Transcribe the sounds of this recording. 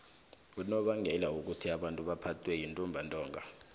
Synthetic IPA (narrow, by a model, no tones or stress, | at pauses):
nɔɓaŋʱɛlauk̬ʼutʰiaɓantʼuɓapʰatʰʼwɛjintʼumbʱantʼɔːŋʱa